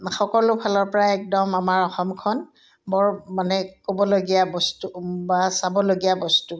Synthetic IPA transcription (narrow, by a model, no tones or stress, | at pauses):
xɔkɔlʊbʱalɔɹpɔɹaɛk̚dɔmamaɹɔxɔmkʰɔn | bɔɹmanɛkobɔloɡijabɔstubasabɔloɡijabɔstu